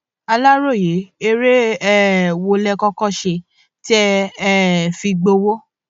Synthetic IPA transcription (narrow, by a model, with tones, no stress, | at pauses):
a˧la˦ɾo˦˨je˨˦e˧ɾe˦ɛ˦wo˧lɛ˧kɔ˦kɔ̃˦ʃe˧ | ti˦ɛ˧˦ | fĩ˧ɡ͡bo˧wo˦